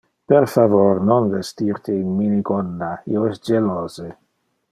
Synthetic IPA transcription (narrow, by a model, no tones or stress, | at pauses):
peɾfavoɾnonvest̪iɾt̪einminiɡondaḭoɛsd͡ʒeloːze